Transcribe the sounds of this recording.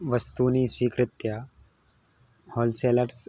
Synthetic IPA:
ʋəst̪uniːsʋiːkɾɪt̪ja | hɔːlseləɾs

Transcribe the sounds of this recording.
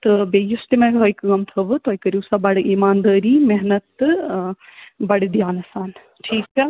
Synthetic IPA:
t̪ɨbeːjust̪imẽkɦɐjkɣɐmt̪ʰɐʋɨt̪oːjkɐɾiːsɐbɐɽʔiːmaːnd̪ɐːɾiːmɛɦnɐt̪ | bɐɽd̪jaːnɐsaːn | ʈʰiːkɐ

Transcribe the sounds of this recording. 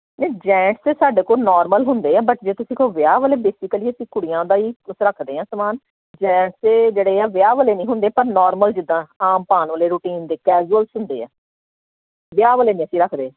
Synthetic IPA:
nɛ̃ːd͡ʒɛ̃ːʈseːsaːɖeːkoːnɔːɾməlɦʊnd̪eːɛːbəʈd͡ʒeːt̪ʊsĩːkoːʋɪjaːʋəːleːbeːsɪkəliːəsĩːkʊɽijãːd̪aːiːʊsɾəkʰd̪eːɦãːsəmaːn | d͡ʒɛ̃ːʈseːd͡ʒeːɽeːaːʋɪjaːʋəːleːnĩːɦʊnd̪eːpəɾnɔːɾməld͡ʒɪd̪ːãːaːmpaːnʋəːleːɾuːʈiːnd̪eːkɛːd͡ʒuəlsʊnd̪ḛːa̰ː | ʋɪjaːʋəːleːnĩːəsĩːɾəkʰd̪eː

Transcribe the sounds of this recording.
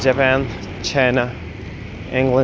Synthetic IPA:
d͡ʒɨpæ̃n | t͡ʃʰãɪnə | ʔɪ̃ŋɡlə̃

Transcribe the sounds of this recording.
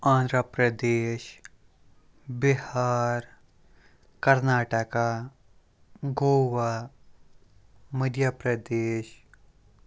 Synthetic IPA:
ãːnd̪ɾəpɾəd̪eːʃ | bɪhaːɾ | kɐɾnaːʈəka | ɡoːwa | məd̪japɾɐd̪eːʃ

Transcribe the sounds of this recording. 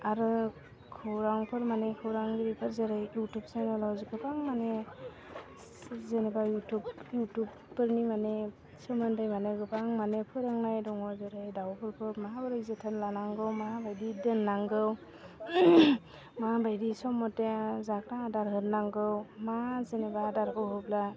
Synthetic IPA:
aɾɯ | kʰɯwɾaŋpʰɯɾmanekʰɯwɾaŋɡiɾipʰɯɾzeɾajjutup̚sanɔlɔwzɡɯpʰaŋmane | zenebajutubjutupːɯɾnimane | sɔmɯndajmaneɡɯpʰaŋmanepʰɯɾaŋnajdɔŋɔɾzeɾajdawpʰɯɾpʰɯɾmaɦabɯɾɯjzetʰanlanaŋɡɯwmaɦabajdidɯnːaŋɡɯw | maabajdisɔmɔtezakɾadaɾɦɯtnaŋɡɯwmazenebadaɾɡɯwɦɯbla

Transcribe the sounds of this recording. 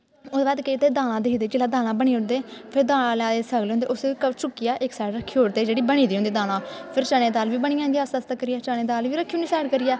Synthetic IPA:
ʊd̪eːbaːd̪ket̪eːd̪aːl̃ãːd̪eɦiːd̪eːd͡ʒɪlaːd̪aːl̃ãːbəɳ̃iːʊɳd̪eːpʰɪɾd̪aːlãːlɛaːeːsəɡleːõnd̪ḛːʊskət͡ʃʊkːɪjaːʔɪksaːɖɾəkʰːiːoːɾt̪eːd͡ʒeːɽiːbəɽ̃iːd̪iːõnd̪iːd̪aːlãːpʰɪɾt͡ʃaːɽeːd̪aːlʋiːbəɳ̃iːãːnd̪ijaːsəst̪ːkəɾɪjaːt͡ʃaːɽeːd̪aːlʋiːɾəkʰːiːʊnd̪iːsaːɖkəɾɪjɛː

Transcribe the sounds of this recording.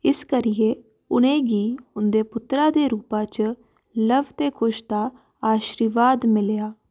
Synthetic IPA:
ɪskəɾɪeː | ʊnẽːɡiːʊnd̪eːpʊt̪ɾãːd̪eːɾuːpãːt͡ʃ | ləbt̪eːkʰʊʃd̪aː | aːʃɾiːʋaːd̪mɪljaː

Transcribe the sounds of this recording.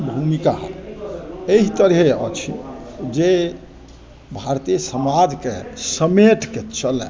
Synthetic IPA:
bʱumikaɦ | eɦit̪əɾɦeɔ̰t͡ʃʰid͡ʒe | bʱaɾt̪isəmad͡ʒkḛsəmeʈ̪ket͡ʃəlɛ̰

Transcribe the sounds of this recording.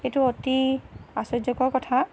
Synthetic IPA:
xetuɔtiasɔzɔkɔɹkɔtʰa

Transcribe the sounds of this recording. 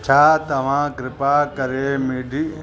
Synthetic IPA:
t͡ʃʰaːt̪ɐʋ̤ãːkɾɪpaːkɐɾeːmiɖʱi

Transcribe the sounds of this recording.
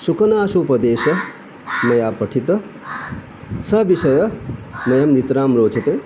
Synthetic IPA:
sukɐnaːsuːpɐd̪eːʃɐ | mɐjaːpːɐʈʰit̪ɐ | sɐbiʃɐjɐmɐjɐmnit̪ɾaːmɾoːt͡ʃɐt̪e

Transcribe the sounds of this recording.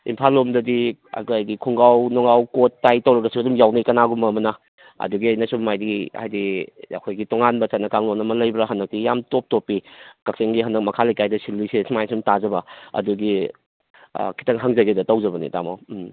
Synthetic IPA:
impʰalːomdɐdia̰ɡajɡikʰuŋɡawnɔŋawkotːajtɐwɾɐɡɐsiɐdumjawnɐjkɐnaɡumbɐmɐnɐ | ɐ̰duɡiɐjnɐsumajdia̰jdiɐ̰kʰojɡitoŋanbɐt͡ʃatnɐkaŋlonɐmɐlɐjbɾɐɦanːɐk̚tijamtop̚topːikɐk̚seŋɡiɦanɐk̚mɐkʰalɐjkajdɐsilːisesmajsumtazɐbɐɐ̰duɡḭ | kʰi̥tɐŋɦaŋzɐɡedɐtɐwzɐbɐnḭta̰ma̰w

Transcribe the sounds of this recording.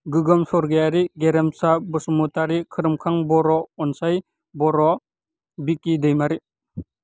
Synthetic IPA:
ɡɯɡɔmsɔɾɡejaɾiɡeɾemsabɯsumutaɾikʰɯɾɯmkʰaŋbɔɾɔɔnsaj | bɔɾɔ | bikːidɯjmaɾi

